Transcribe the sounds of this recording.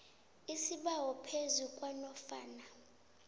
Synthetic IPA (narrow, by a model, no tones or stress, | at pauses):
isiɓawɔpʰezukʼwanɔfa̰ːna